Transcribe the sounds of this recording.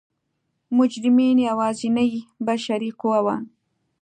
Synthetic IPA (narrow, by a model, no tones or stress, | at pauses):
mʊd͡ʒɾɪminjawɑːzinajibaʃaɾiquwawɑn